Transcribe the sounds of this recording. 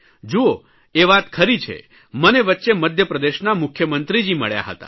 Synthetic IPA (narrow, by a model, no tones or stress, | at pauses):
d͡ʒoo | eʋat̪kʰəɾit͡ʃʰḛ | məneʋətːʃeməd̪ʱjəpɾəd̪eʃnamʊkʰjəmənt̪ɾid͡ʒimə̰ɭja̰ɦə̰t̪a̰